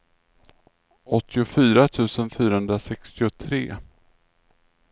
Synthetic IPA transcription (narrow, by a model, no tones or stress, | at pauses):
ɔt̪ʰːɪʊfyːɾat̪ʰʉ̟ːsənfyːɾahɵnd̪ɾasɛkst̪ɪʊt̪ʰɾḛː